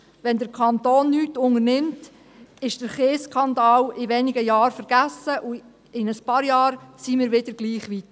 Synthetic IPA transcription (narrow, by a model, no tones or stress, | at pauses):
ʋɛndəɾkʰɑnt̪oːnːyːtʊŋəɾnɪmt | ɪʃd̥əɾχeːskʰɑndɑːwɪʋɛnɪɡəjɑːɾfəɾɡ̥æsəʔu | ɪnəspɑːɾjɑːɾsiːmɪːɾʋɪd̥əɾɡ̥liːχʋit̪